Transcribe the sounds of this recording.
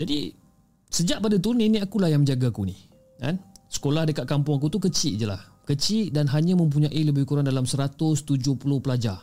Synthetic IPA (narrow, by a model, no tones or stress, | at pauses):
d͡ʒadḭ | səd͡ʒaʔpadat̪uniniakulahjaŋmə̃ɲd͡ʒaɡakunḭ | ka̰nsə̥kolahdəkat̪̚kampʊŋak̬ut̪ukət͡ʃɪʔd͡ʒəla̰h | kət͡ʃɪʔdanɦaɲãmə̃mp̬uɲãʔiləbɪhkuɾaŋdalamsəɾat̪ʊst̪ud͡ʒʊhpulʊhpəlad͡ʒa